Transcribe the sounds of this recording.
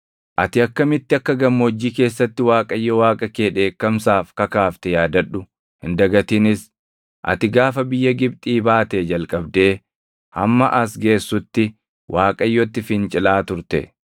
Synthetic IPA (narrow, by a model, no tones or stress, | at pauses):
ʔɐt̪ɪɐkːɐmɪt̪ːɪɐkːɐɡɐmːɔɔd͡ʒːiːke̞ːsːɐt̪ːɪwaːkʼɐjːɔwaːkʼɐkeːᶑe̞ːkːɐmsaːfkɐkaːft̪ɛjaːd̪ɐᶑːʊ | hɪnd̪ɐɡɐt̪iːnɪs | ʔɐ̰t̪ɪɡaːfɐbɪjːɐɡɪbt̪ʼiːbaːt̪ed͡ʒɐlkʼɐbd̪e̞ː | hɐ̰mːɐʔɐsɡe̞ːsːʊt̪ːɪ | wʔaːkʼɐjːɔt̪ːɪfɪnt͡ʃʼɪlaːt̪ʊɾt̪ɛ̰